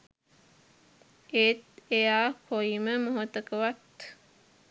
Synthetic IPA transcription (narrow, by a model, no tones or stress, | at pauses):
et̪ejaːkʰoiməmoɦot̪əkəʋat̪